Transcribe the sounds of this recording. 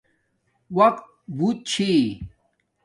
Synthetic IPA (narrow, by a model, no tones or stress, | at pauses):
wɐqt̪̚ | but̪̚t͡ɕʰi